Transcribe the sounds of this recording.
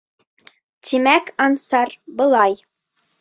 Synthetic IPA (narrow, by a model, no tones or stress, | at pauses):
t̪ʰimækɑnsɑɾbɤ̆lˠɑj